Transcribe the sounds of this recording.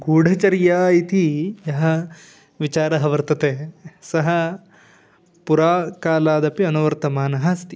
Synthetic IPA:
ɡuːɖʱɐt͡ʃɐɾjaːit̪ʰijɐɦɐ̆ | ʋit͡ʃaːɾɐɦɐʋɐɾt̪ɐt̪eːsɐɦɐ̆ | puɾaːkaːlaːd̪ɐpiɐnuʋɐɾt̪ɐmaːnɐɦɐst̪

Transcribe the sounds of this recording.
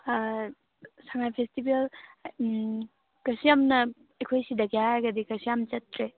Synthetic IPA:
saŋajpʰestibel | kɐsijamnɐ | ekʰojsidɐɡijaɡɐdikɐsijamt͡ʃɐtɾe

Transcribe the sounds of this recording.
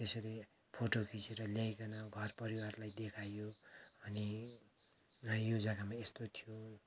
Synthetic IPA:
t̪esʌɾi | pʰoʈokʰiseɾʌljajkʌnʌɡʱʌrpʌɾiwarlajd̪ekʰajoʌni | jod͡zakamaest̪ot̪ʰijo

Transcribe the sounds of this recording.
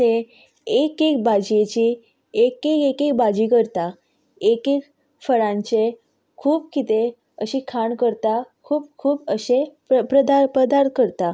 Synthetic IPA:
t̪e | ekekbad͡ʑjet͡ɕi | ekekekekbad͡ʑikəɾt̪a | ekek | fəɾãɲt͡ɕe | kʰuːpkit̪e | əɕiːkʰaɳkəɾt̪akʰuːp̚kʰuːpəɕe | pɾəd̪apəd̪aɾkəɾt̪a

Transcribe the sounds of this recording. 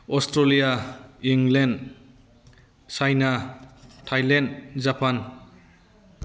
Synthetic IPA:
ɔstɾalijaiŋlen | sajnatʰajlendzapʰan

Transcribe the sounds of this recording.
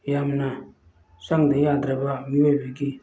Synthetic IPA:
jamna | saŋdejadɾabamiwebiɡi

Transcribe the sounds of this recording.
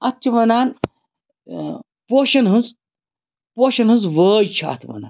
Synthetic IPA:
ɐtt͡ʃʰiʋɐnaːn | poːʃɐnɦɨnz | poːʃɐnɦɨnzʋəːjt͡ʃʰa̰ːt̪ʰʋɐ̰na̰ːn

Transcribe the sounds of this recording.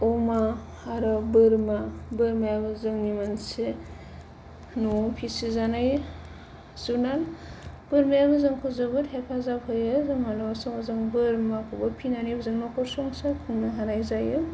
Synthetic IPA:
ɔma | aɾɔbɯɾmabɯɾmajabɯzɯŋnimanse | nuɔpʰisizanaj | zunalb̥ɯɾmajabɯzɯŋkʰɯzɯbɯthepʰazabhɯjɯzɯmalawasɔŋazɯŋbɯɾmakʰɔbɯpʰinanibɯzɯŋnɔkʰɔɾsɔŋsakʰuŋnaɦaɾajzajɯ

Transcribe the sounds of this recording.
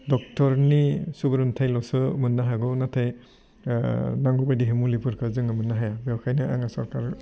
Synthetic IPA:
dɔk̚tʰɔɾnisubɯɾɯntʰajlɔsɯmɯnːaɦaɡɔnatʰaj | naŋɡubajdiɦɯmulipʰɯɾkʰɯzɯŋɯmɯnːaɦajabewkʰajnɯa̰ŋasɔɾkaɾ

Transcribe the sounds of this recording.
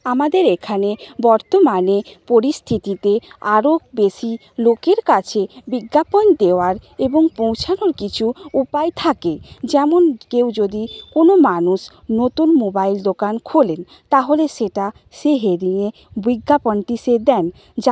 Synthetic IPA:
amad̪eɾekʰanebɔɾt̪omanepoɾist̪ʰit̪it̪eaɾokbeʃi | lokeɾkat͡ɕʰebiɡːapond̪eoaɾeboŋpõw̃t͡ɕʰanoɾkit͡ɕʰuupajt̪ʰaked͡ʑɛmonkewd͡ʑod̪ikonomanuʃ | not̪unmobajld̪okankʰolen | t̪aɦoleʃeʈa | ʃeɦeɾiŋe | biɡːaponʈiʃed̪ɛn | d͡ʑa

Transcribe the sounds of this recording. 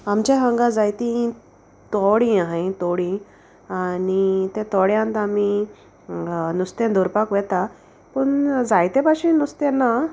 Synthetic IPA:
amt͡ɕaɦəŋɡãd͡zajt̪ĩ | t̪ɔɽĩaɦãt̪ɔɽĩ | anit̪ẽt̪ɔɽjãnt̪ami | nust̪ẽnd̪ʱɔɾpakʋɛt̪a | pəɳd͡zajt̪ẽpaɕĩnust̪ẽnːa

